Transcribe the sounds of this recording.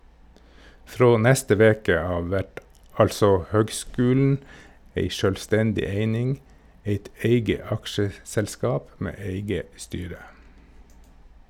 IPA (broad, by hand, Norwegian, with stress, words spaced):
ˈfɾoː ˈnæstə ˈʋeːkə ˈɑːʋ ˈæʈ ˈɑlsɔ ˈhøːɡˌskʉːln̩ ˈeɪ ˈʃøːlˌstɛndɪ ˈeɪnɪŋ ˈeɪt ˈæɪɡə ˈɑkʃəsɛlˌskɑːp ˈmeː ˈeɪɡə ˈstyːɾə